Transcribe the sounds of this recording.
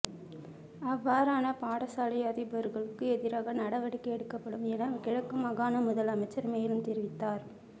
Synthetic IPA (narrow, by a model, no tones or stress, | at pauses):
ɐʋːaːɾaːnɐpaːɽɐsaːlɐjɐðɪpɐɾɣɐɭɯkːɯɛðɪɾaːɣɐnɐɽɐʋɐɽɪkːɐɛɽɯkːɐpːɐɽɯmɛnɐkɪɻɐkːɯmɐɣaːnɐmʊðɐlɐmɐɪt͡ʃːɐɾmeːjɪlɯmt̪ɪɾɪʋɪt̪ːaːɾ